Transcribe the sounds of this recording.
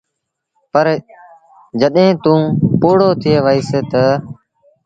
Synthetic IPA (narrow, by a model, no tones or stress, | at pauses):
pəɾ | d͡ʒəɗɦẽːt̪ũːpoːɽoːt̪ʰɪeːʋaiːst̪ə